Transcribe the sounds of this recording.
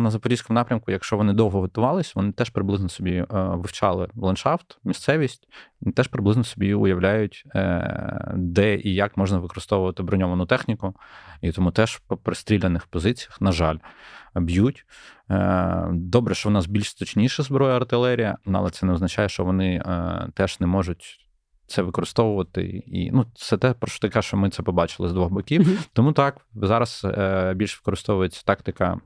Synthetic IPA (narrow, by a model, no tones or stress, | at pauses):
nɐzɐpɔɾʲisʲkʊmnɑpɾʲɐmkʊjɐkʃt͡ʃɔʋɔnɪd̪ɔwɦɔɦɔt̪ʊʋɑlˠɪsʲʋɔnɪt̪ɛʃpɾɪblˠɪznɔsɔbʲiʋɪwt͡ʃɑlˠɪʋlˠɐnʃɑft̪mʲist̪sɛʋʲisʲtʲit̪ɛʃpɾɪblˠɪznɔsɔbʲiʊjɐwlʲajʊtʲ | d̪ɛʔijakmɔʒnɐʋɪkɔɾɨst̪ɔʋʊʋɐt̪ɪbɾɔnʲɔʋɐnʊt̪ɛxnʲikʊit̪ɔmut̪ɛʃpɔpɾest̪ɾʲilʲenɪxpɔzɪt͡sʲijɐxnɐʒɑlʲbjutʲ | d̪ɔbɾɛʃt͡ʃɔwnɑsbʲilʲʃst̪ɔt͡ʃnʲijʃɛzbɾɔjɛɐrt̪ɪlˠɛɾʲijɐ̰nuɐ̰lˠɛtsɛnɛɔznɐt͡ʃajɛʃt͡ʃɔʋɔnɪt̪ɛʒ̥nɛmɔʒʊtʲ | t̪sɛʋɪkɔɾɪst̪ɔʋʊʋɐt̪ɪ̰ḭnut̪sɛt̪ɛpɾɔʃt͡ʃɔ̥t̪ɐkɛʃt͡ʃɔmɪt̪ɛpɔbɑt͡ʃɪlˠɪzd̪ʋɔɣbɔkʲiwt̪ɔmut̪ɑkzɑɾɐsbʲilʲʃʋɪ̥kɔɾɪst̪ɔʋʊjet͡sʲːɐ̥t̪ɑkt̪ɐkɐ̰